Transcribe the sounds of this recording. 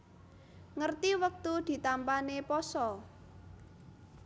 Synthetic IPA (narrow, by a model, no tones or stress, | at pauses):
ŋərt̪iwək̚t̪ud̪̥i̤t̪ampanepɔsɔ